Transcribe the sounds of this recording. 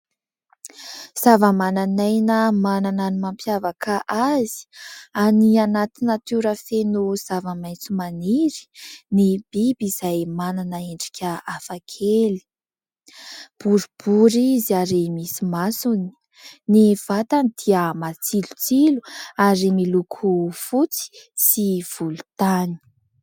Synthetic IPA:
z̥avəmananajnəmanananimampjavakʰaʔazi̥anianat̪inət̪uɾəfenuz̥avəmajnt͡sumaniɾi̥nib̥ibiz̥ajmananəeɳɖ͡ʐi̥kʲəafakʰeli̥ | b̥uɾub̥uɾiziaɾemisimasuni̥ | niv̥at̪anid̪̥iəmat͡silu̥t͡siluaɾemilukʰufut͡si̥siv̥ulu̥t̪ani̥i̥

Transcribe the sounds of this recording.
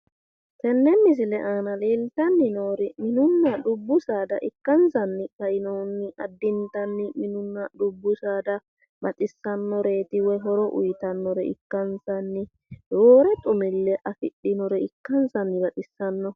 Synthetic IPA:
t̪ɛnːɛmɪs̬ɪlɛʔaːnɐle̞ːlt̪ɐnːɪnoːɾɛmɪnʊnːɐɗʊbːʊsaːd̪ɐʔɪkːɐnsɐnːɪkɐjɪnɔnːɪʔɐd̪ːɪnt̪ɐnːɪmɪnʊnːɐɗʊbːʊsaːd̪ɐ | bɐt̪ʼɪsːɐnːɔɾeːt̪ɪwɔɦɔɾɔʔʊ̰jt̪ɐnːɔɾɛɪ̰kːɐnsɐnːɪ | d̪oːɾɛt̪ʼʊmɪlːɛʔɐfɪɗɪnɔɾɛɪkːɐnsɐnːɪbɐt̪ʼɪsːɐnːɔ

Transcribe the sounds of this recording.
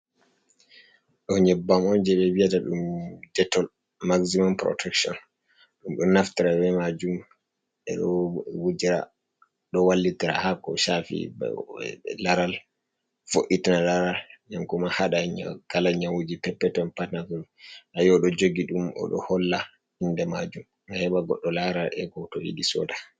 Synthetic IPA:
ɗɔɲɛbːamɔnd͡ʒɛɓɛwijataɗṵmdɛtːɔl | maksimɔnpɾɔ̰tʰɛkʃɔ̰n | ɗumɗɔnaftiɾawɛmad͡ʒum | ɛ̰ɗɔwud͡ʒiɾa̰ | ɗɔwalːitiɾa̰hakɔʃafḭ | laɾal | foʔitinalaɾalɲamkɔmahaɗaɲa̰ɡalaɲawud͡ʒipɛpːɛtɔnpatnaɡɔlʔajɔɗɔd͡ʒoɡiɗumɔ̰ɗɔ̰hɔlːa | indɛma̰d͡ʒum | ahɛɓaɡɔɗːɔlaɾalɛ̰ɡɔtɔjḭɗisɔ̰ːda

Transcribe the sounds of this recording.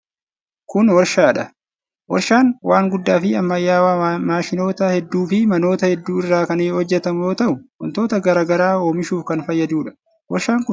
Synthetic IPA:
kʊnwɐɾʃaːᶑɐ | wɔ̰ɾʃaːnwaːŋɡʊd̪ːaːfɪɐmːɐjːaːwaːmaːʃɪno̞ːt̪ɐhɛd̪ːuːfɪmɐno̞ːt̪ɐhɛd̪ːuːɪrːaːkɐneːhɔd͡ʒːɛt̪ɐmjoːt̪ɐʔʊʔɔ̰nt̪o̞ːt̪ɐɡɐɾaːɡɐɾaːo̞ːmɪʃuːfkɐnfɐjːɐd̪uːᶑɐ̥ | wɐɾʃaːŋkʊ

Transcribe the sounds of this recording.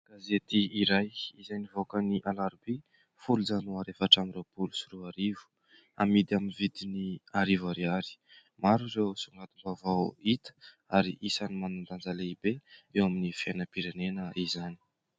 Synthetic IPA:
ɡ̥azet̪iiɾajizajnivokəniʔalaɾbi | fulud͡zanuaɾefaʈ͡ʂamrewpulu̥suɾuaɾivu̥ | a̰mid̪iaminvid̪iniaɾivaɾiaɾi̥ | maɾuɾewsuŋɡat̪umbavawit̪ə̥ | aɾḭʔisanimanand̪and͡zaleibeewaminifenəpiɾenenəizani̥

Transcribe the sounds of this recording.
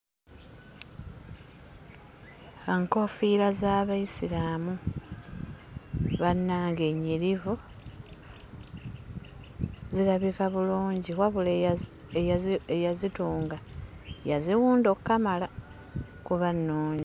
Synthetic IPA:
eŋko̞fiɾazaːβaisilaːmu | βanːaːŋɡe̞ɲːiɾivu | ziɾaβikaβuluːɲɟiɣwaβule | ejaejazituːŋɡa | jaziwuːndo̞kːamala | kuβanːoːɲi

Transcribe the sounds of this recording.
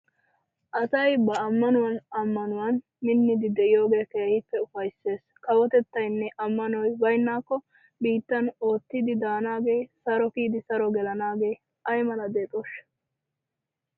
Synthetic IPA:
ʔɐsɐjbɐːmːɐnʊwɐnɐmːɐnʊwɐn | mɪnːɪd̪ɪd̪ɛʔɪjo̞ːɡe̞ːkeːhɪpːɛʊfɐjsːe̞ːs | kɐwɔt̪ɛt̪ːɐjnːɛʔɐmːɐnɔjbɐjnːaːkːɔ | biːt̪ːɐno̞ːt̪ːɪd̪ɪd̪aːnaːɡe̞ːsɐɾɔkiːd̪ɪsɐɾɔɡɛlɐnaːɡe̞ː | ʔɐjmɐnɐd̪eːt̪ʼoʃ

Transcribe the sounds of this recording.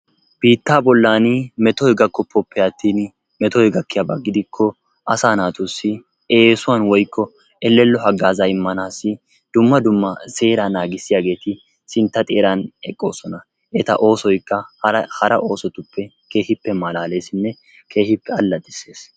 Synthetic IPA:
b̥iːt̪ːaːbɔlːaːnɪmɛt̪ɔjɡɐkːɔpʰːɔpːɪjat̪ːiːn | mɛt̪ɔjɡɐkːɪjabɐ̰ɡɪd̪ɪkʰːɔ | ʔɐsaːnaːt̪ʊsːɪ | e̞ːsʊwanwɔjkːɔ | ɛlːɛlːɔɦɐɡːaːzɐɪmːɐnaːsːɪ | d̪̥ʊmːɐd̪ʊmːɐse̞ːɾanaːɡɪsːɪjaːɡe̞ːt̪ɪ | sɪnt̪ːɐt̪ʼeːɾanɛkʼːo̞ːsɔnɐ | ʔɛt̪ɐ̰ʔo̞ːsɔjkːɐhɐɾɐʔo̞ːsɔt̪ʊpːɛ | ke̞ːhɪpːɛmɐlaːle̞ːsɪnːɛ | kʰe̞ːhɪpːɛɐlːɐd̪ʼɪse̞ːs

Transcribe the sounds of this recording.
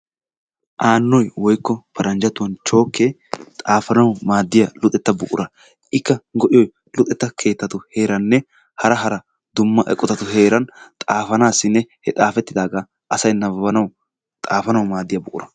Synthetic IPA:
ʔaːnːɔjwɔjkːɔpʰɐɾɐnd͡ʒɐt̪ʊwɐnt͡ʃo̞ːkʰːe | t̪ʼaːfɐnɐwmaːd̪ːɪjɐlʊt̪ʼɛt̪ːɐbʊʔʼʊ̰ɾɐ | ʔɪkːɐɡɔʔɪjɔj | lʊt̪ʼːɛt̪ːɐkʰe̞ːt̪ːɐt̪ʊhe̞ːɾɐnːɛ | hɐɾɐɦɐɾɐ | d̪ʊmːɐʔɛkʼːɔt̪ɐt̪ʊɦe̞ːɾɐnt̪ʼaːfɐnaːsːɪnːɛhɛt̪ʼaːfɛt̪ːɪd̪aːɡaː | ʔɐsɐjnɐbɐbɐnɐw | t̪ʼaːfɐnɐwmaːd̪ːɪjɐbʊʔʼʊ̰ɾɐ

